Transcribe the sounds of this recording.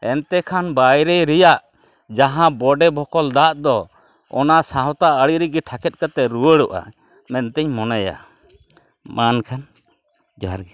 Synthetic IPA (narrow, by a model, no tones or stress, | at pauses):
ɛnt̪ɛkʰanbajɾɛɾɛjaʔ | d͡ʒaɦãbɔɖɛbʱɔkɔld̪aʔd̪ɔ | ɔnasãɦɔ̃t̪aəɽiɾiɡɛʈʰakɛt̪̚kat̪ɛɾuwəɽuʔa̰ | mɛnt̪ɛɲmɔnaja̰ | mankʰan | d͡ʒaaɾɡɛ